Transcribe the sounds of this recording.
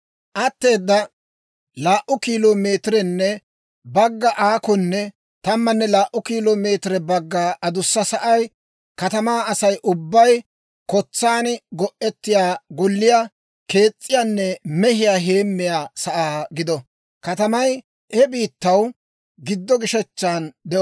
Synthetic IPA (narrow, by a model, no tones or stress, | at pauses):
ʔɐt̪ːe̞ːd̪ːɐ | laːʔʊkiːloːme̞ːt̪ɪɾɛnːɛ | bɐɡːɐʔaːkɔnːɛ | t̪ɐmːɐnːɛlaːʔʊkiːloːme̞ːt̪ɪɾɛbɐɡːaːʔɐd̪ʊsːɐsɐʔɐj | kɐt̪ɐmaːɐsɐjʔʊbːɐj | kɔt͡sːaːnɡɔʔɛt̪ːɪjaːɡɔlːɪja | ke̞ːt͡sʼːɪjaːnːɛmɛhɪjaːɦe̞ːmːɪjaːsɐʔaːɡɪd̪ɔ | kɐt̪ɐmɐj | ʔɛbiːt̪ːɐw | ɡɪd̪ːɔɡɪʃɛt͡ʃːaːnd̪ɛʔ